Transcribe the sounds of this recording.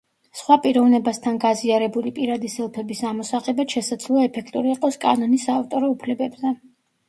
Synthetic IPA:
sχwapʼiɾɔvnɛbast̪ʰanɡaziaɾɛbulipʼiɾad̪isɛlˠpʰɛbisamɔsaʁɛbat̪ʃɛsad̪zlˠɔaɛpʰɛkʰt̪ʼuɾiːqʼɔskʼa̰nɔnisaːft̪ʼɔɾɔupʰlɛbɛbzɛ

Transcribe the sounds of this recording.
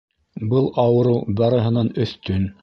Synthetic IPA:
bɤlˠʔɑwɤ̆ɾɤwbɑɾɤ̆ɦɤ̆nɑnɵ̆θt̪ɵn

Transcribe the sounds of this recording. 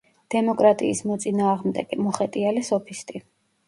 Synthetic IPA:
d̪̥ɛmɔkʼɾat̪ʼḭːsmɔt̪sʼinaːʁmd̪ɛ̰ɡɛmɔχɛt̪ʼialɛsɔpʰist̪ʼi

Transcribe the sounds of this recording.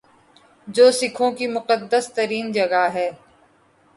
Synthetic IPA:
d͡ʒoːsɪkʰõkimʊqəd̪ːəst̪əɾiːnd͡ʒɐɡaɦɛː

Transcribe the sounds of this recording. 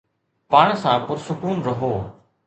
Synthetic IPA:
paːɳ̃sãːpʊɾsʊkuːnɾəɦoː

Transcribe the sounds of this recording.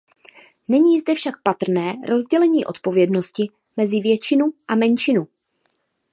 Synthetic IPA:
nɛɲiːzdɛfʃak̚pat̪r̩nɛːɾo̞zɟɛlɛɲiːʔo̞t̪po̞vjɛdno̞scɪ | mɛzɪvjɛt͡ʃɪnuʔamɛnt͡ʃɪnu

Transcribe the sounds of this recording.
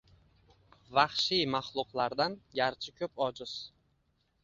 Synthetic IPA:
vaχʃijmaχlˠʊqlˠaɾd̪anɡʲaɾt͡ʃʰɪkʲʰɵpɒd͡ʒɪz̥

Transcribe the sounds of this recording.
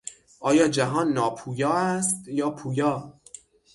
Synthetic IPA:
ʔɒːjɒːd͡ʒæɦɒːnːɒːpʰuːjɒːæst̪jɒːpʰuːjɒː

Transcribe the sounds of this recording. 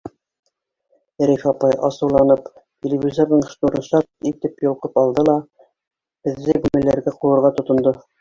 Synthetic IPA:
ɾifɑpɑjʔɑsɤ̆wlˠɑnɤpt̪ʲelʲevʲizoɾnɤɴʃt̪uɾɤ̆nʃɑt̪it̪ɘpjŏlˠqɤpɑlˠd̪ɤlˠɑ | b̥ɘ̆ðːɘɡʉmɘ̆lːæɾɡæquɤ̆ɾʁɑt̪ŏt̪ŏnd̪ɤ

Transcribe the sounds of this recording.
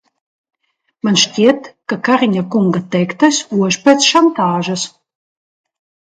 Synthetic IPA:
manʃcʲiɛt̪kakaɾiɲakuŋɡat̪ɛjkt̪asuɔʒpɛt̪sʃant̪aːʒɐs

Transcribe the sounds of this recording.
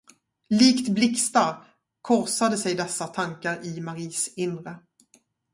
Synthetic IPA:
liːkt̪blɪkst̪aɾ | kʰɔɾsad̪əsɛjd̪ɛsːat̪ʰaŋkaɾɪmaɾiːsɪnɾə

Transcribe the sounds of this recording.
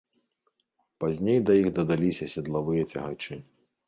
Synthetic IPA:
pazʲnʲejd̪ɐjixd̪ɐd̪alʲisʲɐsʲɐd̪lˠavɨjɐt͡sʲɐ̰ɦa̰t͡ʂɨ

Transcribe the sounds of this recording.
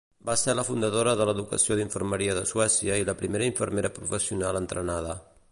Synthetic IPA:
baseɾləfund̪əðoɾəðələðukə̰sioðiɱfəɾməɾiəðəsuɛsiəiləpɾimeɾəiɱfəɾmeɾəpɾufəsiunalənt̪ɾənaðə

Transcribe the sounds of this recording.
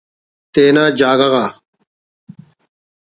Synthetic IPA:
t̪eːnaːd͡ʒaːɡaɣaː

